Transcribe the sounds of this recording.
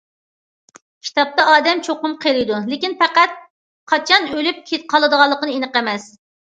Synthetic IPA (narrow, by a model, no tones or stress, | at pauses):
kʲʰi̥t̪ɑp̚t̪ɑʔɑːd̪ɛmt͡ʃʰoqʊmqʰelˠɪjd̪ulekʲinpæqæt̪̚ | qʰɑt͡ʃʰɑnølyp̚kʲʰet̪qʰɑlˠɨd̪əʁɑlˠːəqənɨenɨəqɛmɛs